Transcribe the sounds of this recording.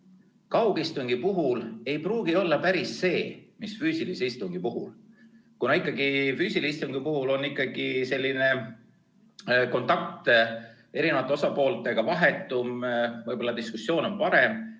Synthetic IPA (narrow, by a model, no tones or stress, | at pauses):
kɑwɡ̥ist̪uŋɡ̥ipuɦule̞jpruːɡ̥io̞lːɑpæɾisːe̞ːmisfyːsiliseist̪uŋɡ̥ipuɦṵl | kunɑikːˑɑɡifyːsiliist̪uŋɡ̥ipuɦulo̞nːikːˑɑɡ̥ise̞lʲːine̞ | ko̞nt̪ːˑɑk̚t̪ | e̞ɾinevɑt̪ːˑo̞sɑpo̞ːlt̪ˑe̞ɡ̥ɑvɑɦe̞t̪ːˑumvɤjbo̞lːɑd̪iskusːjo̞ːno̞npɑɾe̞m